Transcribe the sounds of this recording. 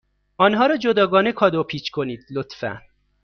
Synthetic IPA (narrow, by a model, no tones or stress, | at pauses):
ʔɒːnɦɒːɾɒːd͡ʒod̪ɒːɡɒːne̞kʰɒːd̪opʰiːt͡ʃʰkʰo̞niːd̪̥lot̪fæ̰n